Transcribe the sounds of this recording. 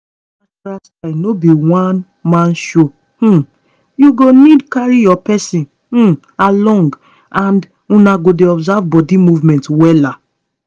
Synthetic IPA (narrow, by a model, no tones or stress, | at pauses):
asɾastanobiwãn | mãnʃo | h̩ | juɡonidkaɹijɔpɛsĩn̩ | alɔ̃ŋɡ | ãnd | ũnaɡodeɔbzavbɔdimuvmɛ̃ntwɛla